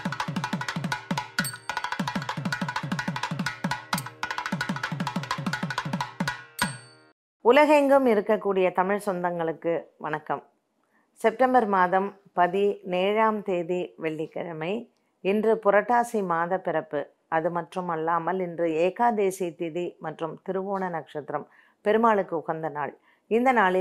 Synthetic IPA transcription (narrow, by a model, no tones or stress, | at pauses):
ʊlɐɣɛŋɡɯmɪɾɯkːɐkːuːɽɪjɐt̪ɐmɪɻsɔnd̪ɐŋɡɐɭɯkːɯʋɐnɐkːɐm | sɛp̚ʈɐmbɐɾmaːðɐm | pɐðineːɻaːmt̪eːðiʋɛɭːɪkːɐ̰ɻɐmɐɪ | ɪndrɯpʊrɐʈːaːsimaːðɐpɪɾɐpːɯ | ɐðɯmɐʈrɯmɐlːaːmɐlɪndrɯeːkaːd̪eːsit̪ɪðimɐʈrɯmt̪ɪɾɯʋoːnɐnɐkʂɐt̪ːɾɐm | pɛɾɯmaːɭɯkːɯʊɣɐnd̪ɐnaːɭ | ɪnd̪ɐnaːɭ